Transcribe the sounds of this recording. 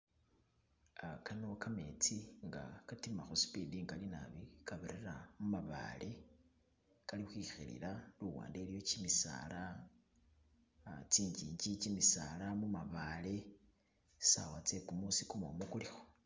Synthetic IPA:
akano̞kame̞t͡siŋɡa̰katimaxusi̥pidiŋɡalina̰βikaβiɾeɾamumaβa̰ːle̞ | kalixwixḭlḭlaluwa̰ːndelijo̞t͡ʃimisa̰la | t͡siːɲd͡ʒiːɲd͡ʒit͡ʃimisa̰lamumaβale̞̥ | sawat͡se̞kumusikumo̰mokulixo̥

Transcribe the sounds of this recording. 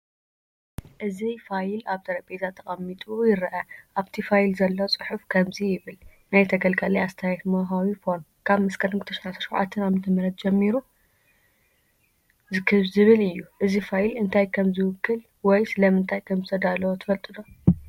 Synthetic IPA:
ʔɨzifajlaβt̪ʰɐɾɐpʼezat̪ʰːɐχʼɐmːit̪ʼujɪɾʔɐʔaβt̪ʰifajlzɐlːot͡sʼɨħufkʰɐmzijɪβɨlnajt̪ʰɐɡɐlkʼɐlijast̪ʰajat̪mɐɦawifon | kʰaβmɐskʰɐnɨɡt̪ʰɐʃɐʕat̪ʰɐ̥ʃɐwʕa̰t̪ʰːɨnaβmɨt̪ʰɨmɐɾɐt̪̚d͡ʒɛmːiɾu | zɨkʰɨβzɨβɨlɨjːuʔɨzifajlɨnt̪ʰajkʰɐmzɨwɨkʰːɨl | wɔjsɨlɐmɨnt̪ʰajkʰɐmzɨt̪ʰɐd̪alːɐwot̪ʰɨ̥fɐlt̪ʼɨd̪o

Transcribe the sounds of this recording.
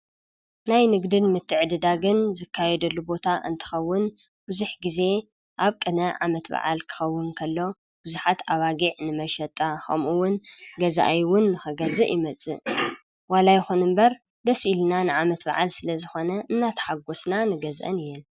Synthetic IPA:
najnɨɡd̪ɨnmɨt̪ʰːɨʕɨd̪ɨd̪aɡɨnzɨkʰːajɛd̪ɐlːubo̞t̪ʰaʔɨ̰nt̪ʰɨ̥xɐwːʊn | b̥ɨzuħɡize̞ | ʔaβkʼɨnɐʕa̰mɐt̪ba̰ʕa̰lkʰɨ̥xɐwːʊnkʰɐlːo̞ | b̥ɨzuħat̪ʰaβaɡiʕnɨmɐʃɐt̪ʼːaxɐ̰mʔuwʊnɡɐzaʔajwʊnːɨxɨɡɐzɨʔjɪmɐt͡sʼɨ̰ʔ | walajxunɨmbɐɾ | d̪ɐsʔilnanɨʕamɐt̪ba̰ʕalsɨlɐzɨxo̞nɐʔɨnːat̪ʰɐ̥ħaɡo̞snanɨɡɐzʔɐ̰nɨjɛn

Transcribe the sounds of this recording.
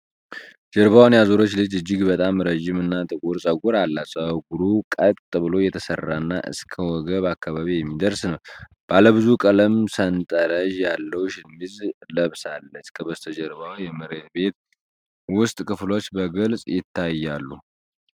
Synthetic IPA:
d͡ʒəɾβawnjazoɾo̞t͡ʃːlɨd͡ʒɨd͡ʒːɪɡbət̪ʼamɾəʒːɪmɨnːat̪ʼɨkʼuɾsʼəɡuɾalːasʼəɡuɾukʼət̪ʼt̪ʼɨβɨlo̞jɛt̪ʰəsərːanːa̰ʔɨ̰skʰəwɔɡəβakːaβaβijɛmːid̪əɾsnəw | b̥aləβɨzukʼələmsənt̪ʼəɾəʒjalːəwʃɪmːizləβsalːəskʰəbəst̪ʰəd͡ʒəɾbawjɛmɨɾe̞t̪be̞t̪ | wʊst̪ʼkʰɨflo̞t͡ʃːbəɡəlsʼjɪt̪ʰːajːalːu

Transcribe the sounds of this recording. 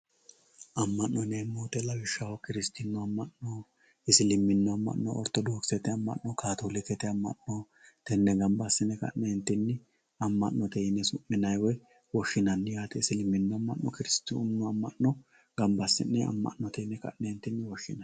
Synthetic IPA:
ʔɐmːɐnːɔnemːoːt̪ɛlɐwɪʃːawɔkɪɾɪst̪ɪnːʊɐmːɐʔnɔ | ɪsɪlɪmːɪnːɔɐmːɐ̰ʔnɔ̰ɔɾt̪ɔd̪oːksɛt̪ɛɐmːɐ̰ʔnːɔkʰaːt̪oːlɪt̪ɛt̪ɛɐmːɐ̰nnɔ | t̪ɛnːɛɡɐmbɐsːɪnːɛkɐ̰ʔnɛɪnt̪ːɪnːɪ | ɐmːɐʔnːɔt̪ɛjɪnːɛsʊmːɪnɐjwɔj | wɔʃːɪnɐnːɪjaːt̪ɛɪsɪlɪmːɪnːɔɐmːɐ̰ʔːɔkɪɾɪst̪ːunːʊɐmːɐʔnɔ | ɡ̥ɐmbɐsːɪ̰nːɛɐ̰mːɐ̰ʔnɔt̪ɛnːɛkɐ̰ʔnɛhɪnt̪ːɪnːɪwɔʃːɪnɐ

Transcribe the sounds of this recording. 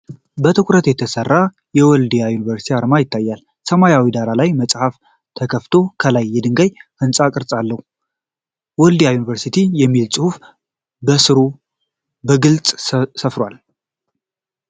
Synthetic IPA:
bət̪ʰɨkʷʼɾət̪jɛt̪ʰəsərːa | jɛwɔld̪ijajunivəɾsi̥t̪ʰiaɾmajɪt̪ʰːajːal | səmajawid̪alalajməsʼhaf | t̪ʰəkʰəft̪ʰo̞kʰəlajːɛd̪ɨŋɡajhɨnsʼakʼɨɾt͡sʼalːəhu | wɔld̪ijajunivəɾsit̪ʰijɛmːilsʼɨhuf | bəsɨɾu | bəɡɨlt͡sʼsəfɾwal

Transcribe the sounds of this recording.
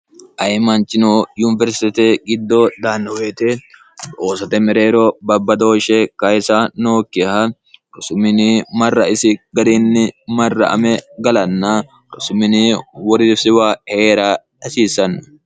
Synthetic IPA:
ʔɐjmɐnt͡ʃːɪnoːjunɪvɛɾst̪t̪ɛɡɪd̪ːɔd̪aːnːɔweːt̪ɛ | oːsɐt̪ɛmɛɾeːɾɔbɐbːɐd̪o̞ːʃɛkɐjsɐnoːkːɪhɐ | ɾʊsʊmɪnɪmɐrːɐɪsɪɡɐd̪inːɪmɐrːɐ̰ʔɐ̰mɛɡɐlɐnːɐ | ɾʊsʊmɪnɪwɔɾɪsɪwaːheːɾaːdɐsiːsːɐnːɔ

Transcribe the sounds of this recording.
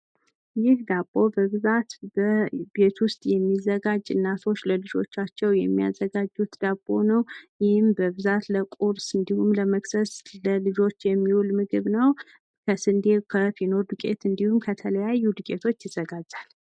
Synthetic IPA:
jɪhd̪abʼo̞bəβɨzat̪bəbe̞t̪wʊst̪ʼjɛmːizəɡad͡ʒɨnːat̪ʰo̞t͡ʃːləlɨd͡ʒo̞̰t͡ʃːat͡ʃːɛwjɛmːia̰zːəɡad͡ʒːut̪d̪̥abʼːo̞nəwjɪhɪmbəbɨzat̪ləkʼuɾsɨnd̪ihumləməksəsləlɨd͡ʒo̞t͡ʃːjɛmːiwulmɨɡɨβnəw | kʰəsɨnd̪ekʰəfino̞ɾd̪ɨkʼe̞̰t̪ɨnd̪ihumkʰət̪ʰələjajːud̪ɨkʼe̞t̪ʰo̞t͡ʃːjɪzːəɡad͡ʒːal

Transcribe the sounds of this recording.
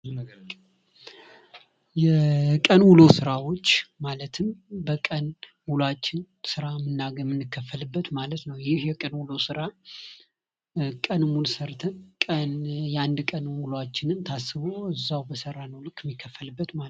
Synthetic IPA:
jɛkʼənwulo̞sɨɾawo̞t͡ʃːmalət̪ʰɨmbəkʼən | wulat͡ʃːɪn | sɨɾamɨnːaɡəmɨnːɨkʰːəfːəlɨbːət̪malət̪nəwjɪhjɛkʼənwulosɨɾa | kʼənmulsəɾt̪ʰɨnkʼənjɛand̪kʼənwulat͡ʃːɪnɨnt̪ʰasːɨβoɨzːawbəsəɾːanəwlɨkʰːɪmːikʰːəfːəlɨbːət̪ma

